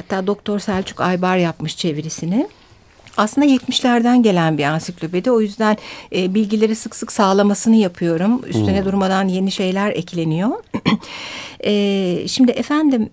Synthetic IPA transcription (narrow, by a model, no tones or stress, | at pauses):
hat̪ʰːaːd̪o̞k̚t̪ʰo̞ɾsælʲt͡ʃʰy̥kajbaɾjapmɯʃt͡ʃʰe̞viɾisinɪ | aslˠɯnd̪ajɛt̪miʃlʲæɾd̪ænɟe̞lʲænbiansiklʲøbed̪io̞jyzd̪ænːbilʲɟilʲe̞ɾisɯksɯksaːlˠamasɯnɯjapʰɯjo̞ɾumy̰st̪ʰynɛd̪uɾmad̪anje̞niʃe̞jlʲæɾɛ̰clʲe̞nijo̞ | ɛːʃimd̪ɪʔefænd̪im